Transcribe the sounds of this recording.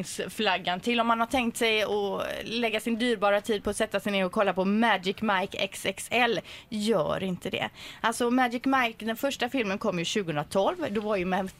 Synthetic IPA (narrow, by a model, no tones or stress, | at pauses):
ŋsflaɡːant̪ʰɪlːɔmhanhat̪ʰɛŋk̚t̪sɛjɔlɛɡːasɪnd̪yːɾbɑːɾat̪ʰiːd̪̚pʰɔːsɛt̪ːasɛɪjneːɾɔkʰɔlːapɔmæd͡ʒɪkːmajkɛ̰ksɛksɛlːjœ̰ːɾɪnt̪əd̪ɛ̰ʔalsɔmæd͡ʒɪkːmajkd̪ɛnfœʂʈafɪlmənkʰɔmːjɵɕʉɡəhɵnɾat̪ʰɔlvd̪ɔvaɾjɵmɛ